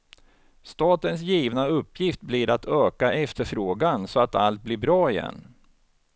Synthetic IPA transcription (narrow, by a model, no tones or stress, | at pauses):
st̪ɑːt̪əns̬jiːvnaɵpːjɪft̪̚blɪɾat̪ʰøːkaʔɛft̪əɾfɾoːɡansɔat̪a̰lt̪̚blɪɾbɾɑːɪjɛ̰nː